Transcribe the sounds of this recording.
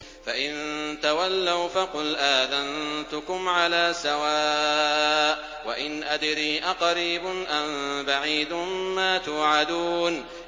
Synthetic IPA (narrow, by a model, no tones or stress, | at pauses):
faʔɪnt̪awalːawfaqʊlʔaːðant̪ʊkʊmʕalaːsawaː | ʔ | waʔɪnʔad̪ɾiːʔaqɑɾiːbʊnʔambaʕiːd̪ʊmmaːt̪ʊːʕad̪uːn